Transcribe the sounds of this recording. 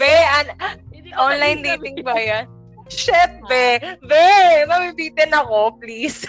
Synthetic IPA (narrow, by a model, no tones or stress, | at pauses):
bɛʔɐnʔonlajnliːt̪ɪŋbajan | ʃɛp̚bɛbɛmɐbibiːt̪ɛnɐko̞pliːs